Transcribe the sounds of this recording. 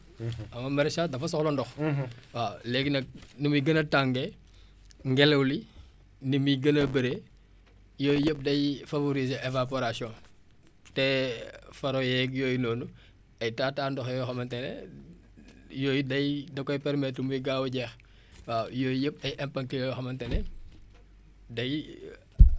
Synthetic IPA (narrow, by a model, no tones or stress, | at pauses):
ɐmɐmɐɾɛsaːdɐfɐsɔxlɔndɔxwaːlɛɡnɐk̚numujɡɐnɐtaŋɡe | ŋɡɛlɐwli | nimiɡənɐbɐɾe | joːjjəp̚dɐjfavoɾizeʔevap̬oɾasiɔ̃ | tɛfɐɾojɛɡjɔːjinoːnu | ɐjtaːtaːndɔxjɔxɐmɐntɛnɛ̰ | joːjdɐjdɐkɔjpɛɾmɛtmujɡaːwuɟɛx | wajoːjjəp̚ɐjʔɛmpɐŋkijɔɔxɐmɐntɛne | dɐj